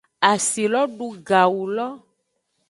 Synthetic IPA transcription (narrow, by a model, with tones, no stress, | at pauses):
a˨si˨lɔ˦ɖu˦ɡa˨wu˨lɔ˦